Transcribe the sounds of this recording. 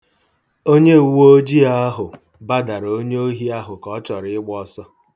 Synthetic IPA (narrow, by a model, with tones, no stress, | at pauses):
o˦ɲe˦˨wo˦d͡ʒi˦a˦ɦʊ˨ | ba˦da˨ɾo˦ɲe˦o˦ɦi˦a˦ɦʊ˨kɔ˨˦t͡ʃɔ˨ɾɪ˦ɪ˦ɡ͡bɔ˦sɔ˦